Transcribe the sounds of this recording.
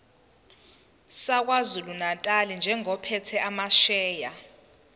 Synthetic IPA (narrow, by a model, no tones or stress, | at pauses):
sak̬wazulunatʼalind͡ʒʱɛŋɔpʰɛtʰɛʔamaʃɛːja